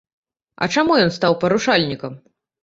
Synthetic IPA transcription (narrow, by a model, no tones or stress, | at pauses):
ɐ̰t͡ʂamujɔnst̪awpɐɾuʂalʲnʲikɐm